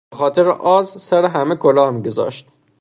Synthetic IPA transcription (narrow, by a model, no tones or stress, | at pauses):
exɒːt̪ʰeɾḛʔɒːzsæɾeɦæmekʰolɒːhmiɡo̞zɒ̰ːʃt̪